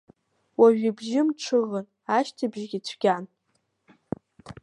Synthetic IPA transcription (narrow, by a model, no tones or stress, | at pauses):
waʒᶣibʒɪmʈ͡ʂʰɨʁən | aʃtʰabʒɡʲit͡sʷʰɡ̥ʲan